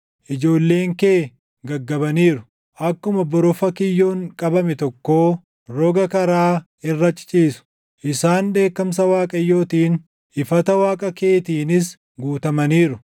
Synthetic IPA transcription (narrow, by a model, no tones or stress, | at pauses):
ʔɪd͡ʒo̞ːlːe̞ːŋkeː | ɡɐɡːɐbɐniːɾʊ | ʔɐkːʊmɐbɔɾɔfɐkɪjːo̞ːŋkʼɐbɐmɛt̪ɔkːo̞ː | ɾɔɡɐkɐɾaː | ɪrːɐt͡ʃʼːt͡ʃʼiːsʊ̥ | ʔɪsaːnd̪e̞ːkːɐms̬ɐwaːkʼɐjːo̞ːt̪iːn | ɪfɐt̪ɐwaːkʼɐke̞ːt̪iːnɪs̬ | ɡuːt̪ɐmɐniːɾʊ